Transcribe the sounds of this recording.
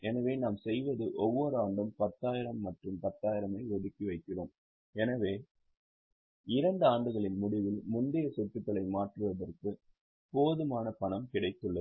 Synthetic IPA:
ɛnɐʋeːnaːmsɛjʋɐðɯʔɔʋːɔɾɯaːɳɖɯmpɐt̪ːaːjɪɾɐmːɐʈrɯmpɐt̪ːaːjɪɾɐmɐɪɔðɯkːiʋɐɪkːɪroːm | ɛnɐʋeː | ɪɾɐɳɖɯaːɳɖɯɣɐɭɪnmʊɽɪʋɪlmʊnd̪ɪjɐsɔʈːɯt̪ːɐlɐɪmaːʈrɯʋɐðɐrkɯ | poːðɯmaːnɐpɐɳɐmkɪɽɐɪk̪ːɯɭːɐ

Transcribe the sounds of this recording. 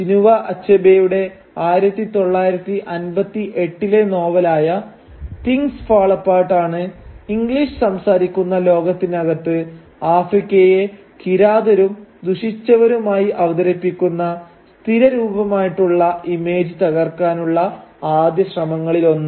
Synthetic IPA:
d͡ʑinuʋɐʔɐt͡ɕːɐbejuɽe̞ | aːjiɾɐt̪ːit̪o̞ɭːaːjiɾɐt̪ːiʔɐnbɐt̪ːiʔe̞ʈːile̞no̞ːʋɐlaːjɐ | t̪iŋsfaːɭɐpːaːʈːaːɳɨiŋɡliʂɨsɐmsaːɾikʲːunːɐlo̞ːɡɐt̪ːinɐɣɐt̪ːɨ | aːfrikʲːɐje̞ | kiɾaːd̪ɐɾumd̪uʂit͡ɕːɐʋɐɾumaːjiʔɐʋɐd̪ɐɾɐpːikʲːunːɐ | st̪ʰiɾɐɾuːbɐmaːjiʈːuɭːɐimeːd͡ʑɨt̪ɐɣɐrkaːnuɭːɐaːd̪jɐɕrɐmɐŋːɐɭilo̞nːɨ

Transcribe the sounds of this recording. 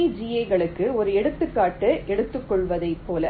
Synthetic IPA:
ɪd͡ʒɪjɐɪɣɐɭɯkːɯɔɾɯɛɽɯt̪ːɯkːaːʈːɯʔɛɽɯt̪ːɯkːɔɭʋɐðɐɪpːoːlɐ

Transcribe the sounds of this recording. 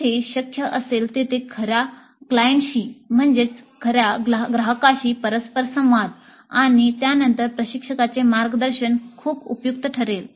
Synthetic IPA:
eɕəkʰjəʔəselt̪et̪ekʰəɾja | klajeɳʈɕiːm̤əɳd͡zet͡skʰəɾjaɡɾəɦəkaɕiːpəɾəspəɾsə̃m̃ʋad̪ | aɽ̃it̪janənt̪əɾpɾəɕikʂəkat͡semaɾɡəd̪əɾɕənkʰuːbupjuk̚t̪əʈʰəɾel

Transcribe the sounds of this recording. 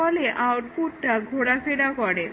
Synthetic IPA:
ɔleʔawʈpuʈːaɡʱoɽafeɽakɔɽe

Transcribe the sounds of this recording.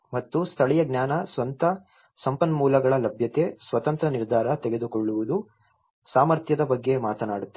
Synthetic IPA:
mɐt̪ːust̪ʰɐɭɛjɐɡnjaːnɐsʋɐnt̪ɐ | sɐmpɐnːmuːlɐɡɐɭɐlɐbʱjɐt̪e̞sʋɐt̪ɐnt̪ɾɐniɾd̪ʱaːɾɐt̪ɛɡe̞d̪ukoɭːuʋud̪u | saːmɐɾt̪jɐd̪ɐbɐɡːe̞maːt̪ɐnaːɽut̪ː

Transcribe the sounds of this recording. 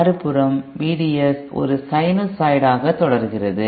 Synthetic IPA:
ɐɾɯpːɯɾɐmʋiːɽiɐs | ɔ̰ɾɯsɐɪnosɐɪɽaːɣɐt̪ːɔɽɐɾɣɪrɐðɯ

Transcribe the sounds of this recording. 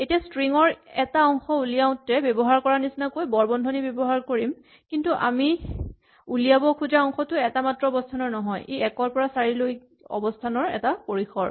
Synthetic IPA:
etijastɹiŋɔɹɛtaɔŋxɔulijaʊ̃tɛbɔbɔɦaɹkɔɹanisinakojbɔɹbɔndʱɔnibebɔɦaɹkoɹim | kintuʔa̰mi | ulijabɔkʰuzaɔŋxɔtʊɛtamatɹɔɔbɔstʰanɔɹnɔɦɔjʔejɛkɔɹpɔɹasaɹiloj | ɔ̰bɔstʰanɔɹɛ̰tapoɹixʰɔ̰ɹ

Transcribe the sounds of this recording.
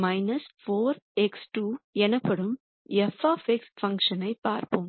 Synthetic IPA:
mɐjnɐsfoːɾeksʈuːɛnɐpːɐɽum | ɛfaːfeksfɐŋkʂɐnɐɪpaːɾpum

